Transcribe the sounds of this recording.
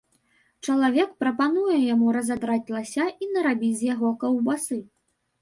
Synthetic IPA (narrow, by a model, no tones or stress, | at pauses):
t͡ʂɐlˠavʲɛkpɾɐpanujɛjamuɾɐzad̪ɾat͡sʲlˠasʲainɐɾabʲizʲjaɣɔkɐwbasɨ